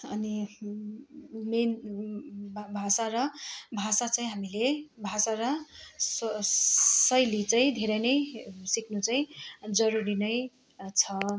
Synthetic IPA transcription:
ʌni | menʱ | bʱasaɾʌbʱasat͡saĩɦamilebʱasaɾʌs | sʌjlit͡saĩd̪ʱeɾʌjnʌjsikʰnut͡saĩd͡zʌɾuɾinʌj | t͡sʰʌ

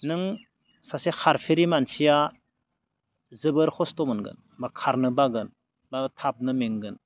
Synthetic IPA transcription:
nɯŋ | sasexʰaɾpʰiɾimansija | zɯbɯɾkʰɔstɔmɯnɡɯ̰n | makʰaɾnɯbaɡɯn | batʰap̚nɯmeŋɡɯn

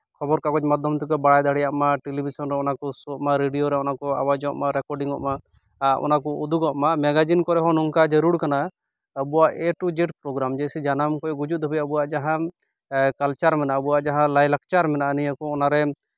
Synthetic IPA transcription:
kʰɔbɔɾkakɔt͡ʃmad̪ʱɔmt̪ukɔbaɽajd̪aɽijaʔmaʈelibisɔnɾɛɔnakɔsɔʔmaɾeɖijoɾɛɔnakɔa̰wad͡ʒɔʔmaɾɛkɔɾɖiŋɔ̰ʔma | ɔ̰nakɔud̪uɡɔʔmamɛɡad͡ʒinkɔɾɛɦɔ̃nɔŋkad͡ʒəɾuɽkana | əbuwaʔɛʈud͡ʒeʈpɾɔɡɾamd͡ʒɛsid͡ʒanamkɔjɡud͡ʒut̪̚d̪ʱɔbɛəbuwaʔd͡ʒaɦã | kalt͡ʃaɾmɛnaʔəbuwaʔd͡ʒaɦãlajlak̚t͡ʃaɾmɛnaʔənijakɔɔnaɾɛ

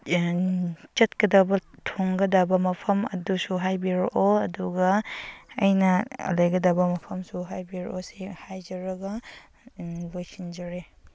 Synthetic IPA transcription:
t͡ʃɐt̚kɐdabɐtʰoŋɡɐdabɐmɐpʰɐmɐ̰dusuɦajbiɾʔoɐduɡɐɐjnɐɐ̰lajɡɐdabɐmɐpʰɐmsuɦajbiɾosehajd͡ʒɐɾɐɡɐ | lojsʰind͡ʒɐɾe

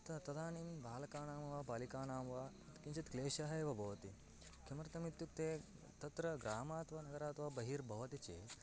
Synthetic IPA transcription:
t̪ɐt̪ɐd̪aːnimbʱaːlɐkaːnaːmɐʋaːbaːlikaːnaːmɐʋaː | t̪kint͡ʃɐt̪kleːʃaɦɐeːʋɐbʱɐʋɐt̪i | kʰemɐɾɐt̪ɐmit̪ːjuk̚t̪eː | t̪ɐt̪ɾɐɡɾaːmaːt̪ʋɐnɐɡɐɾaːt̪ʋabɐɦiːɾbʱɐʋɐt̪it͡ʃḛː

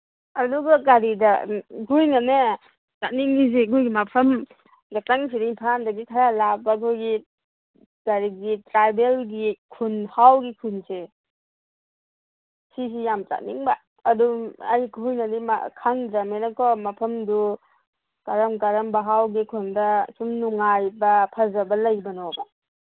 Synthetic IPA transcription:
aduɡaɡaɾidaɡujŋane | t͡ʃaniŋnis̬eɡujɡimapʰɐm | ɡataŋs̬idaipʰandaɡikʰaɾalabakʰojɡi | ɡ̥aɾiɡitɾajbelɡikʰunhawɡikʰunse | sis̬ijamta̰k̚niŋbɐː | dua̰jkʰɔhujnɐdima̰kʰaŋdɐmenɐkɔmɐpʰɐmdu | kaɾɐmɡaɾɐmbɐɦawɡikʰundɐsumnuŋajbɐpʰɐzɐbɐlɐjbɐnɔbɐ

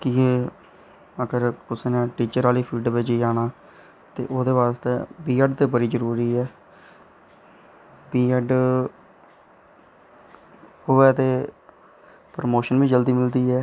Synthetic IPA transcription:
kiːe | əɡəɾkʊseːnãːʈiːt͡ʃəɾaːliːpʰiːɖbed͡ʒiːaːnaː | t̪ḛːʔoːd̪eːʋaːst̪eːbiːəɖt̪eːbəɾiːd͡ʒəɾuːɾiːɛː | biːəɖ | hoɛːt̪eː | pɾəmoːʃənʋĩːd͡ʒəld̪iːmɪld̪iːɛː

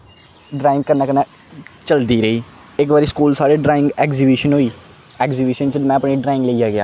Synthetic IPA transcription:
ɖɾaːɪ̃ŋɡkəɾnãːkənaː | t͡ʃəld̪iːɾəiː | ɪkʋaːɾiːskuːlsaːɾeːɖɾaːɪ̃ŋɡɛːkziːbiːʃənɦoːiː | ɛːkziːbiːʃənt͡ʃəmɛ̃ːəpniːɖɾaːɪ̃ŋɡləijaːɡɪa̰ː

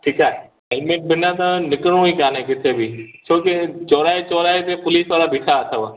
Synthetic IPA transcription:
ʈʰikaːɦɛ | ɛlmẽʈ̚bʱɪnːat̪ãnɪkɾõikaːnekɪt̪ʰebʱiːt͡ʃʰoːket͡ʃɔːɾaːet͡ʃɔːɾaːet̪epʊliːsʋaːɾabʱiʈʰaːt̪ʰaʋa

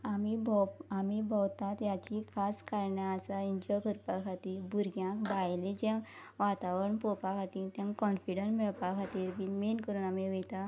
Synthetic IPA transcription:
amibʱɔamibʱɔwt̪at̪jat͡ɕikʰaskaɾɳjaasaiɲd͡ʑɔkʰəɾpakʰat̪iːbuɾɡjãkbajlẽd͡ʑɛ̃ʋat̪aʋəɳpɔpakʰat̪it̪jãŋkɔ̃nfiɖəmeɭpakʰat̪iːɾbinmenkəɾuːnamiʋet̪a

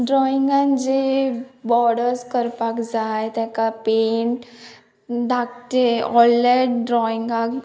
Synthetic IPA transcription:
ɖɾɔiŋɡãnd͡ʑebɔɽəɾskəɾpakd͡zajt̪jãkapeɳʈ | d̪ʱakt̪eɔlːeʈɖɾɔiŋɡak

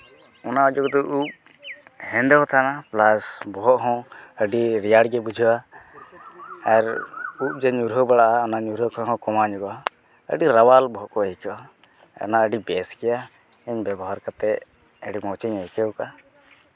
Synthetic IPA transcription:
ɔnaɔd͡ʒɔkd̪ɔʔup̚ | hɛ̃nd̪ɔɦɔt̪ʰanaplasbɔɦɔʔɦɔ̃əɖiɾijaɽɡɛbud͡ʒʱua | ɛɾup̚d͡ʒɛɲuɾɦɔbaɽaʔaɔnaɲuɾɦɔkɔɦɔ̃kɔmaɲɔɡɔa | ə̰ɖiɾawalbɔɦɔʔkɔɛkɛwa̰ | naəɖibɛskɛja | ɛɲbɛbɔɦaɾkat̪ɛ | əɖimɔwt͡ʃɛɲɛjkɛwka

